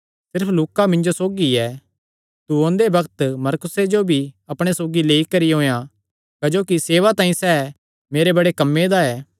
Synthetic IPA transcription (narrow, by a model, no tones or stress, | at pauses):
sɪɾpʰluːkamɪ̃nd͡ʒosoːɡiɛ | t̪uõnd̪ebɐkt̪mɐɾkʊsed͡ʒobʱiɐpɽ̃esoːɡileːikɐɾijɦõːja | kɐd͡ʒoːkiseːʋat̪ãːĩsɛː | meːɾebɐɽekɐmːed̪aɛː